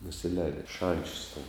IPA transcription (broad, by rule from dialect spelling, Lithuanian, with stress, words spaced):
nʊsʲɪˈlʲɛːdʲɪ ɪ ˈʃɐnʲt͡ʃʲʊs tʲɛn